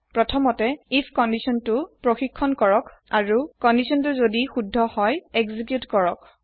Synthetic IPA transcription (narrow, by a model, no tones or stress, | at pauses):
pɹɔtʰɔmɔtɛipʰkɔndisɔntʊpɹoxikʰːɔnkɔɹɔkaɹukɔndisɔntuzodixudʱːɔhɔjɛɡzik̬jutkɔɹɔk